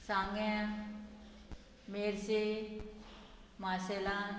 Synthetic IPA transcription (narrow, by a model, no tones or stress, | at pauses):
sãŋɡɛ̃ | meɾse | masela